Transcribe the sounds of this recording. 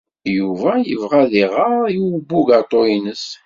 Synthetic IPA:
juvæjəvʁæðiʁəiwəbːuɡat̪ˤoinəs

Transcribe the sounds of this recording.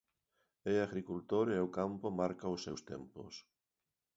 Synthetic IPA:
eaɣɾikult̪oɾeʊkampomaɾkaʊsːewst̪ɛ̰mpʊ̰s

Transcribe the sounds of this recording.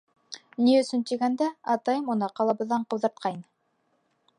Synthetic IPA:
niɵ̆sɵnt̪iɡænd̪æɑt̪ɑjɤmunɑqɑlˠɑβɤ̆ðːɑɴqɤ̆wðɑ̆ɾt̪̚qʰɑjn

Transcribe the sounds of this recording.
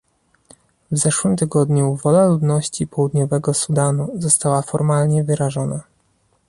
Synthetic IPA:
vzɛʂwɘmt̪ɘɡɔd̪ɲuvɔlaluvnɔɕt͡ɕipɔwud̪ɲɔvɛɡɔsud̪anuzɔst̪awafɔɾmalɲɛvɘɾaʐɔna

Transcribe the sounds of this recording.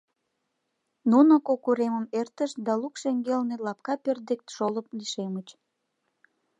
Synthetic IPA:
nunokokuɾeməmert̪əʃd̪ɑlukʃeŋɡelnelɑp̚kɑpørd̪ek̚t̪ʃoləp̚liʃemət͡ɕ

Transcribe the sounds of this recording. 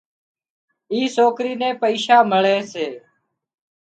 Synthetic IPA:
iːsoːkɾiːnẽːpəiːʃaːməɭeːseː

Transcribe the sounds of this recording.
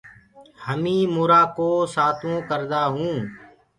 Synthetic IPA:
həmĩːmʊːɾaːkoːsaːt̪ʰõːkəɾd̪aːɦũː

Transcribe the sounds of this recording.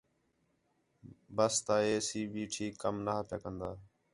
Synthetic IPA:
bəst̪aːeːsiːbiːʈʰiːkːəmnaːpjaːkənd̪aː

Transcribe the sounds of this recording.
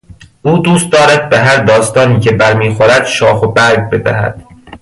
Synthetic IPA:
ʔuːd̪uːst̪̚d̪ɒːɾæd̪̚beɦæɾd̪ɒːst̪ɒːniːcʰe̞bæɾmiːxoɾæd̪̥ʃɒːxobæɾɡ̚be̞d̪æ̰hæ̰d̪̥

